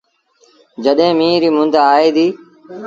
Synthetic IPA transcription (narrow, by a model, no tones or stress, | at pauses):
d͡ʒəɗɦẽːmĩːɾiːmʊnd̪aaːiːd̪iː